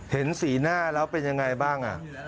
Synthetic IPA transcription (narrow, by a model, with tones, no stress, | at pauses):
he˩˦nsiː˩˦naː˥˩lɛː˦˥wpe˧nja˧ŋːa˧jbaː˥˩ŋʔa̰˨˩ʔ